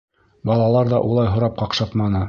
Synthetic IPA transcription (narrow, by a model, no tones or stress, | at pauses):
bɑlˠɑlˠɑɾðɑʔulˠɑjɦŏɾɑp̚qɑqʃɑt̪mɑnɤ